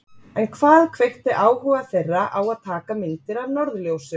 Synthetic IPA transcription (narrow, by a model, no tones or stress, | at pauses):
ɛnkʰv̥aːðkʰveht̪ɪʔaːwhʏɣaθejrːaʔawaðt̪ʰaːkamɪnt̪ɪɾaðnɔɾðljowsɪ